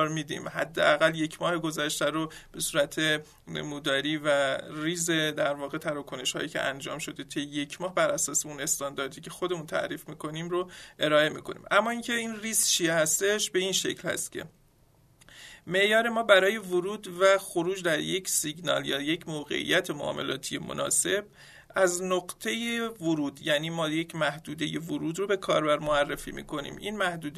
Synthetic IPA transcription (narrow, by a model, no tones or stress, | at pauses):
ɾmiːd̪ḭːmhæd̪ːḛʔæɣæljecʰmɒːhe̞ɡo̞zæʃt̪æɾob̥e̞suːɾæt̪ʰe | muːd̪ɒːɾiːvæɾiːzed̪æɾvɒːɣe̞t̪ʰæɾɒkʰo̞ne̞ʃhɒ̰ːiːcʰḛʔæ̰nd͡ʒɒ̰ːmʃo̞d̪et̪ʰejeje̞cʰmɒːhbæɾʔæsɒːseune̞st̪ɒnd̪ɒːɾd̪ʰiːcʰe̞xo̞d̪e̞muːnt̪ʰæ̰ʔɾiːfmiːkʰo̞niːmɾoʔe̞ɾɒːe̞mḭːkʰo̞̰nḭmʔæmːɒːiːncʰe̞iːnriːst͡ʃʰijehæst̪e̞ʃbe̞inʃe̞̰clhæ̰st̪cʰe̞̰ | me̞ʔjɒːɾe̞mɒːbæɾɒːje̞voɾuːd̪væxoɾuːd͡ʒd̪æɾjecʰsiɟnɒ̰ːljɒːjecʰmoɣḛʔḭjæt̪ʰemoʔɒ̰ːme̞̰lɒ̰ːt̪ʰijemo̰nʔɒ̰ːse̞b̥̚ | ʔæznoɢt̪ʰe̞jevoɾuːd̪jæniːmɒːjecʰmæhd̪uːd̪e̞jevoɾuːd̪ɾobe̞kʰɒːɾbæɾmoærːefḭmḭːkʰo̞nḭːmʔḭnmæhd̪uːd̪